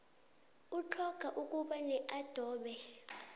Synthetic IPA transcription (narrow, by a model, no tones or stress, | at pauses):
utʰɔɡ̥ʱaʔuk̬ʼuɓanɛʔad̥ʱɔːɓɛ